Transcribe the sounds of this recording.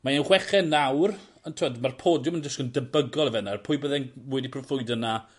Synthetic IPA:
maɛnχwɛχɛnawr | əntʰɪɔdmarpʰoːdjʊmənd͡ʒəsɡ̥əndəbəɡɔlˠəvɛnarpʰʊːjbəðɛnwɛdipʰrɔfʊjdəna

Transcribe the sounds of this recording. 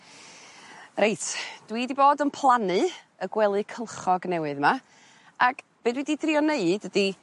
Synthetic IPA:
rejtʰd̥widiboːdənpʰlˠanɨ | əɡwɛlˠɨkʰəlˠχɔɡnɛwɨðma | ak | b̥ɨːdwididriɔneɨdədi

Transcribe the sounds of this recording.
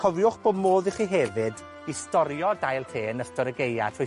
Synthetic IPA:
kʰɔvjʊχb̥oːdmoːðiχiːɦɛvɨd | istɔɾjɔdajlˠtʰeːnəstɔɾəɡeja̰tʰu

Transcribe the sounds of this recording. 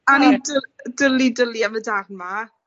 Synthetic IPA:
anidədəlidəliamədarnma

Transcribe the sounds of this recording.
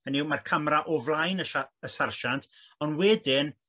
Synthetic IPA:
əniwmarkʰəmɾaʔɔvlˠajnəʃaəsarʃantʰ | ɔnwɛdɪn

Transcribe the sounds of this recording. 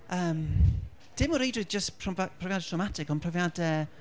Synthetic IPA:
əːm | d̥ɪmɔɾejdrɨðd͡ʒəspʰrɔpʰrɔvjadɛtʰɔmatʰɪkɔnpʰrɔvjadɛ

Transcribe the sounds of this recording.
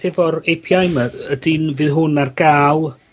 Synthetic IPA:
ɛvɔɾejpʰjajməədinvɨːðɦʊnarɡaːlˠ

